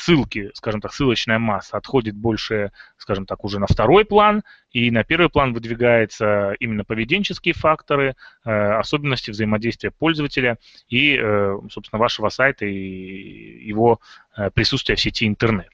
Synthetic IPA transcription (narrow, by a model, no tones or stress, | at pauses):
sɨlˠkʲɪskaʐɨmt̪aksɨlˠət͡ɕnəjəmasːəɐt̪xo̞dʲɪt̪̚bo̞lʲʂɨskaʐɨmt̪akʊʐɛnəft̪ɐɾo̞jplˠan | inɐpʲe̞rvɨjplˠanvɨd̪vʲɪɡajɪt̪səimʲɪnːəpəvʲɪdʲenʲt͡ɕɪskʲɪjəfakt̪əɾɨəɐso̞bʲɪnːəsʲtʲɪvzəjɪmɐdʲejst̪vɪjəpo̞lʲzəvətʲɪlʲə | iəsopsʲɪnəvaʂəvəsajt̪əi | jɪvo̞pɾʲɪsut̪st̪vɪjəfsʲɪtʲiɪnt̪ɨrnɛt̪